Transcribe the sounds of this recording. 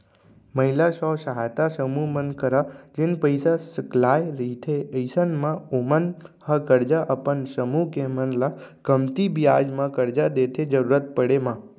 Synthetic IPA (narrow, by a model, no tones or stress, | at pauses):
məɦilaʃɔsəɦajt̪asəmumənkəɾad͡ʒenpəjsasəklajɾit̪ʰeəjsənmãomənhəkəɾd͡ʒaʔəpənsəmukemənlakəmt̪ibijad͡ʒmãkəɾd͡ʒad̪et̪ʰed͡ʒəɾuɾət̪̚pəɽemã